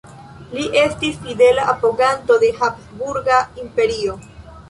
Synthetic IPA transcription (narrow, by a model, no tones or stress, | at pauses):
liʔe̞stisfide̞laʔapoɡanto̞de̞hapsbuɾɡaimpe̞ɾio̞